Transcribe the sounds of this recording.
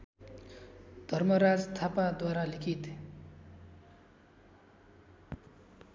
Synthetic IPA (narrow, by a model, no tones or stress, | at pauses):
d̪ʱʌrmʌɾad͡zt̪ʰapad̪waɾalikʰit̪